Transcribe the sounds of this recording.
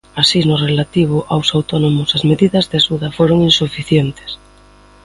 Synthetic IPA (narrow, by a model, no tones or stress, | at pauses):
asinorelat̪iβ̞oʔawsawt̪onomosazmeðiðazðeaʃuðafoɾoŋinsufiθjent̪e̥s